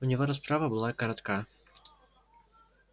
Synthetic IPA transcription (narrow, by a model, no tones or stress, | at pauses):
ʊnʲɪvoɾɐs̬pɾavɐbɨlˠakɐɾɐt̪ka